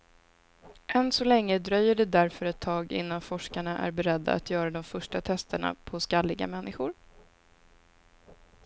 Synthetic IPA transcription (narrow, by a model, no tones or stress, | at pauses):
ʔɛnsɔlɛŋːəd̪ɾœjːəɖɛd̪æɾfœɾɛt̪ʰːɑːɡɪ̰nːanfɔʂkaɳaʔæ̰ɾbɛɾɛd̪ːa̰a̰t̪jœːɾad̪ɔmfœʂʈat̪ʰɛst̪əɳa̰pʰɔskalːɪɡa̰mɛnːɪɧʊɾ